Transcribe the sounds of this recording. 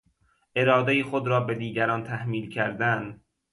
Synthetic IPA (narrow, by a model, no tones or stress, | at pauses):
ʔe̞ɾɒːd̪ejixod̪ɾɒːbe̞d̪iːɟæɾɒːnt̪ʰæhmiːlcʰæɾd̪æn